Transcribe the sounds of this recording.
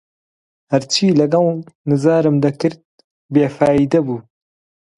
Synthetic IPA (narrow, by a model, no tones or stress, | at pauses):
hɐɾt͡ʃʰiːlɐɡɐlnɨzaːɾɨmd̪ɐkɨɾd̪̚ | beːfaːjid̪ɐbuː